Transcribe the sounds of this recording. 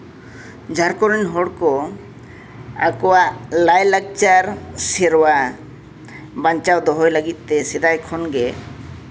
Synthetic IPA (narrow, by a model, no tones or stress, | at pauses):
d͡ʒʱaɾkɔɾinɦɔɽkɔ | a̰kɔwalajlak̚t͡ʃaɾsiɾwa | baɲt͡ʃawd̪ɔɦɔjləɡit̪ːɛsɛd̪ajkʰɔnɡɛ